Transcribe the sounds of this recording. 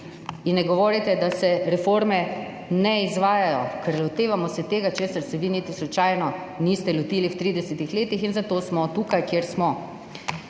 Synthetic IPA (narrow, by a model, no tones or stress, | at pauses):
inːɛɡɔʋoːɾit̪ɛd̪asɛɾɛfoɾmɛ | nɛizʋaːjajɔkɛɾlɔt̪eːʋamɔsɛt̪eːɡat͡ʃeːsaɾst̪ɛʋinit̪islut͡ʃaːjnɔ | nist̪ɛlɔt̪iːliwt̪ɾiːd̪ɛsɛt̪ixleːt̪ixinzat̪oːsmɔt̪uːkajkjeɾsmɔ